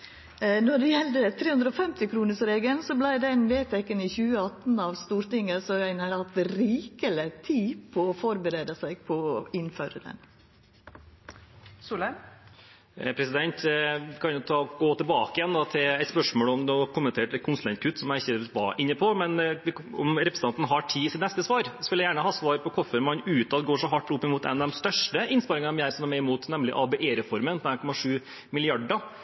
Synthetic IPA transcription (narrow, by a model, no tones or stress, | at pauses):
nɔɖɛjɛld̪ət̪ʰɾeːhʉnd̪ɾəɔfɛmt̪ɪkʰɾuːnəʂɾeːɡəlsɔblæɪd̪ɛnʋeːt̪ʰɛkːənɪçʉːəɑt̪nɑʋst̪uːɾt̪ɪŋːəsɔɾœɪnəɾɑt̪ɛɾiːkələt̪ʰiːpʰɔːfɔɾbəɾeːd̪əsæɪɡ̚pʰɔɪnføːɾə̰d̪ɛ̰n | suːlə | pʰɾɛsɪd̪ɛnt̪kʰɑnjʊt̪ʰɑːɡoːt̪ʰɪlbɑːkəɪjɛnd̪ɑt̪ʰɪlɛt̪spœʂmoːlɔmd̪ɛɔkʰʊmːənt̪ʰeːʈɛkʊnslɛnt̪̚kʰʉt̪ːsɔmjæɪçːəʋɑ̰ʔɪnːəpʰɔmɛnʋɪɔ̰mɾɛpɾəsəɑnt̪n̩ɦɑʈʰiːsɪt̪nɛst̪əsʋɑːɾsɔʋɪljæɪjæːɳəhɑːsʋɑːɾpʰɔkʰɔfəɾmɑnʉːt̪ɑd̪ɡoːʂɔɦɑʈːʊpːɪmuːt̪ɛ̰nd̪ɛmst̪œʂʈəɪnspɑɾɪŋɑnmɪæːɾsɔmæmɛɪmuːt̪nɛmlɪ̰ʔɑbɛʔeːɾɛfɔɾmənpʰɔɛːnkʰɔmɑʂʉː | mɪlɪɑɖɑ